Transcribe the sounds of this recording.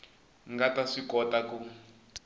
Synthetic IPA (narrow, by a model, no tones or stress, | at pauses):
ŋɡataʂikɔtaku